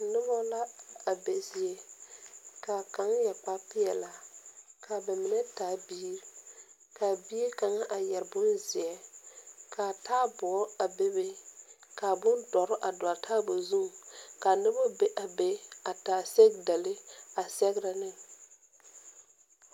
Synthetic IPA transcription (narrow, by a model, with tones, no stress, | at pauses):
nɪ˦bɔ˦la˦a˨be˨zi˨e˦ | ka˨ka˨˦ŋjɛ˨k͡pa˦pɪ˦ɛ˨la˨kʰa˨bɛ˨mɪ˨nɛ˦taː˨˦biː˦ɾ | ka˨biː˦ka˨ŋa˦ʔa˨jɛ˨ɾbʊ˦nzɪ˨ɛ˦ | kʰa˨taː˦bɔ˨˦a˨be˦be˦ka˨bʊ˦ndɔ˨ɾɪ˦ʔa˨dɔ˨a˨tʰaː˦bo˨zu˦m˨ka˨nɪ˦bɔ˦be˦ʔa˨be˦a˨taː˨˦se˦ɡda˨lɪ˦a˨sɛ˦ɡɾa˨nɪ˦˨ŋ